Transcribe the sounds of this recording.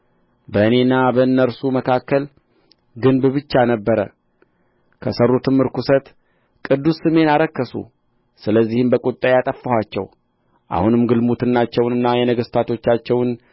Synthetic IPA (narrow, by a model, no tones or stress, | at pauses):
bəɨne̞nːabəɨnːəɾsuməkʰakːəl | ɡɨnbbɨt͡ʃːanəbːəɾə̰ | kʰəsərːut̪ʰɨmːɨɾkusət̪ | kʼɨd̪ːusːɨme̞naɾəkːəsṵ | sɨləzːihɨmbəkʼut̪ʼːajat̪ʼəfːəhat͡ʃːɛ̰w | ʔa̰hunɨmɡɨlmut̪ʰɨnːat͡ʃːɛwnɨnːajɛnəɡəst̪ʰat̪ʰo̞t͡ʃːat͡ʃːɛwn